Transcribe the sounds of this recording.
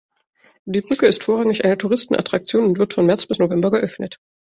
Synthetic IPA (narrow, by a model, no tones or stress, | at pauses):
d̥iːbʁʏkəɪstfoːʁaŋɪçʔaɪnətʰuʁɪstn̩ʔa̰tʁ̥ak̚t͡sjoːnʊntv̥ɪɐtfɔnmɛɐt͡sb̥ɪsnovɛmbɐɡɛʔœfnət